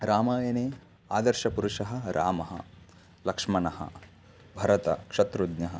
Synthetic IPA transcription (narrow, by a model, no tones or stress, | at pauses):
ɾaːmɐːjɐneː | aːd̪ɐɾʃɐpuɾuʃɐɦɐ̆ɾʔaːmɐɦɐ̰ | lɐkʂmɐnɐhɐ̰ | bʱɐɾɐt̪ɐ̰kʂɐt̪ɾud̪nɐɦɐ